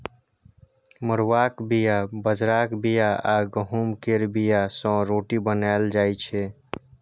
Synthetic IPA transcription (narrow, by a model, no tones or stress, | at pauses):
məɾwakbijabəd͡ʒɾakbijaaɡəɦumkeɾbijasə̃ɾoʈibənald͡ʒaːjt͡ʃʰɛ